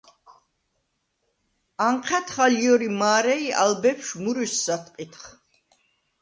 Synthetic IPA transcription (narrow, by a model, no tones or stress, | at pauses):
aɴqʰɛt̪ʰχaljɔɾimaːɾɛiʔa̰lbɛpʰʃmuɾisːat̪ʼqʼit̪ʰχ